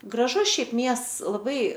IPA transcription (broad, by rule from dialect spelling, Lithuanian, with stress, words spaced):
ɡrɐˈʒʊs ˈʃʲɛɪp ˈmʲiɛsts lˠɐˈbɐɪ